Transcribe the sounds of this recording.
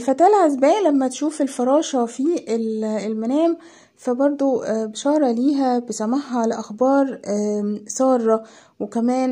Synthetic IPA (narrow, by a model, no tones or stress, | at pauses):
fæt̪æːlʕazbæːʔlæmːæt̪ʃuːfelfɑɾˤɑːʃɑfielelmænæːm | fæbɑɾˤd̪ˤobeʃɑːɾˤɑliːɦæbesæmaħhɑʕleʔæxbɑːɾˤ | sˤɑːrˤːɑ | wekæmæːn